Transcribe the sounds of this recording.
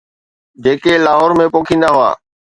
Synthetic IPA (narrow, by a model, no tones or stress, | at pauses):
d͡ʑeːkelaːɦɔːɾmẽpoːkʰĩːnd̪aɦʊa̰ː